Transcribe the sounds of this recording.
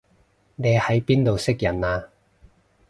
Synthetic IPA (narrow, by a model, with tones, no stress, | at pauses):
neː˨˧hɐ˨˥jpiː˥nt̪o˨wsɪ˥k̚jɐ˨˩naː˧